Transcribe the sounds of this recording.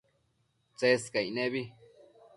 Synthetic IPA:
t͡seskainẽβi

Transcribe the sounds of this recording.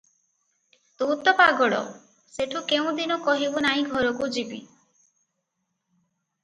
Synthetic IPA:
t̪ut̪ɔpaɡɔɽɔ̰ | seʈʰukeũd̪inɔkɔɦibunaɦĩɡʱɔɾɔkud͡ʒibḭ

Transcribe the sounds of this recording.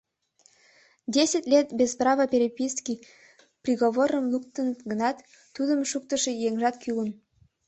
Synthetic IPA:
dʲesʲətʲlʲet̪̚bʲezprɑvəpʲeɾʲepʲiski | prʲiɣoβoɾəmlˠuk̚t̪ənət̪ɡənɑt̪ː | ud̪əmʃuk̚t̪əʃejeŋʒɑt̪kʲylən

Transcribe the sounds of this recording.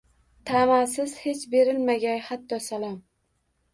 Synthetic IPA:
t̪ʰamasɪz̥he̞t͡ʃbe̞ɾɪlmaɡʲajhat̪ʰːɒsalˠɒm

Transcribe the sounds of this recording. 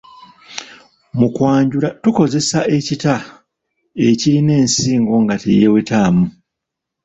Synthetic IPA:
mukwaːɲɟulatuko̞ze̞sae̞cita | e̞ciɾine̞ːnsiːŋɡo̞ŋɡatḛjewetaːmu

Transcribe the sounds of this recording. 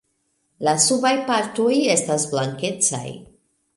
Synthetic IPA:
lasubajpaɾtoje̞stasblaŋke̞t͡sa̰j

